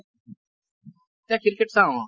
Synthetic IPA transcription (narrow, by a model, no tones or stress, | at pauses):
t̪ɛ̃ːkɪɾkeʈsãːõː